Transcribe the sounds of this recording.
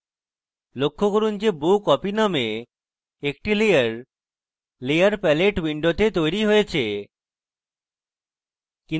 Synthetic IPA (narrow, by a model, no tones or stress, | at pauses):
lokʰːokoɾund͡ʑebukɔpiname | ekʈilejaɾ | lejaɾpɛleʈwiɳɖot̪et̪ojɾiɦojet͡ɕʰe | ki